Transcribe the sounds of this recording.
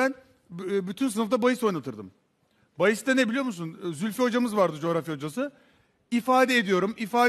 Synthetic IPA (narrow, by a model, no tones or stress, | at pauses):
ænː | byt̪ʰynsɯnɯft̪abajɯso̞jnat̪ʰɯɾd̪ɯ̰m | bajɯst̪anebilʲijo̞musunzylʲfio̞d͡ʒamɯzvaɾd̪ɯd͡ʒo̞ɾafjao̞d͡ʒasɯ | ifaːd̪ɛːd̪ijo̞ɾumifaː